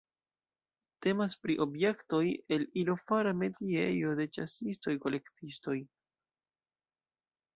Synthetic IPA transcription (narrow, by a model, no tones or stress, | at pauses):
te̞maspɾiʔo̞bje̞kto̞je̞lilo̞faɾame̞diḛjo̞de̞t͡ʃa̰sisto̞jko̞le̞ktisto̞j